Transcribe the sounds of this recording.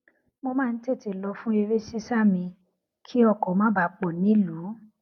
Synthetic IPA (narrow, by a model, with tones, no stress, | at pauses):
mo˧mãː˦˧n̩˦te˦˨te˨lɔ˧fũ˦e˧ɾe˦si˦sa˦˨mĩ˧ | kʰi˦ɔ˦˧˨kɔ˨˦mãː˦ba˨˧˨k͡pɔ˨nĩ˨˦lu˨˦